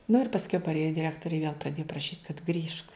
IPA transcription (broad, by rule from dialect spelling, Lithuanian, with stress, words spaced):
nʊ ɪr pɐsʲˈkʲɛʊ pɐrʲˈeːjoː dʲɪˈrʲæːktoːrʲɪ ɪ ʋʲiɛlˠ prɐˈdʲeːjʊ prɐˈʃʲiːt kɐt ˈɡrʲiːʃk